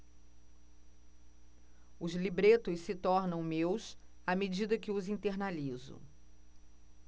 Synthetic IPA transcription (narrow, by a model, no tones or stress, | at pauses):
ʊzlibɾet̪ʊssɪt̪ɔɾnɐ̃w̃mews | amed͡ʒid̪ɐkɪʊzĩnt̪eɾnalizʊ̰